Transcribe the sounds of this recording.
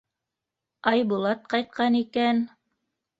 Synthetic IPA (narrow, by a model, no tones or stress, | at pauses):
ɑjbulˠɑt̪̚qɑjt̪̚qɑnikæn